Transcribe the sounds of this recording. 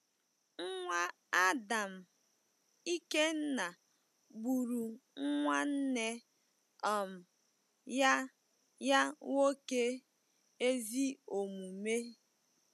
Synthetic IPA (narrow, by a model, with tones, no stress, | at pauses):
ŋ̩˦ŋʷa˦ | a˦da˨m̩˨ | i˦ke˦n̩˦na˨ | bu˨ɾu˨ŋ̩˦ŋʷa˦n̩˦ne˦ | ɔ˨m̩˨ | ja˦ | ja˦ŋo˦ke˦ | e˦zi˦o˨mu˨me˦